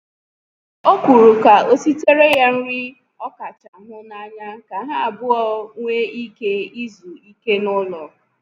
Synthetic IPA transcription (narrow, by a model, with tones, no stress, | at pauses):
o˦kʷu˨ɾu˨ka˨o˦si˦te˦ɾe˦ja˦n̩˦ɾi˦ | ɔ˦ka˨t͡ʃa˨ɦʊ˦na˦ɲa˦ka˨ɦa˦a˨bʊ˦ɔ˦ŋʷe˦i˦ke˦i˦zu˨i˦ke˦nʊ˦lɔ˨